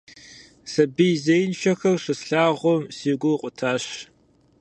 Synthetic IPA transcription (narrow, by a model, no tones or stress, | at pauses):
sɐbijzejnʃɐxɐrʂʷɨsɬaːʁʷɔmsiːɡʷʊqʷʼʊtʰaːɕ